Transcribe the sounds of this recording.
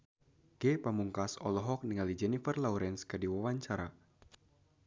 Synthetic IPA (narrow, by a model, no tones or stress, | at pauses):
ɡ̥epamuŋkasɔlɔɦɔk̚niŋalid͡ʒɛnifərlauɾɛnskɨrdiwawaɲt͡ʃaɾa